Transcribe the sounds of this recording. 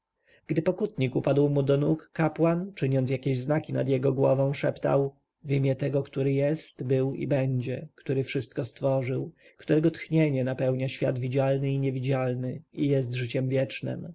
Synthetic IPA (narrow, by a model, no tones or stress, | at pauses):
ɡ̥d̪ɘpɔkut̪ɲikupad̪wmud̪ɔnukːapwant͡ʂɘɲɔns̬ʲjakʲeʑznakʲina̰d̪jɛɡɔɡwɔvɔ̃ʂɛpt̪a̰w | vimʲjɛt̪ɛɡɔkt̪uɾɘjɛst̪bɘwḭbɛɲd͡ʑɛkt̪uɾɘfʂɘst̪kɔst̪fɔʐɘw | kt̪uɾɛɡɔt̪xɲeɲɛnapɛwɲaɕfʲjad̪vʲid͡ʑalnɘiɲɛvʲid͡ʑalnɘijɛst̪ʐɘt͡ɕɛmvʲjɛt͡ʂnɘ̰m